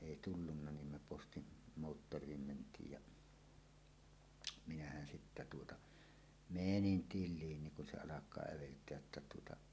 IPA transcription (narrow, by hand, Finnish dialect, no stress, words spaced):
eˑi tulːunːɑ nim me postin moːtːorˑiːm mentˑiːj jɑ minæhæn sitːæ tuotɑ menin tilˑiːn niŋ kun se ɑlɑkˑɑː æʋeltˑeæj jotːɑ tuotɑ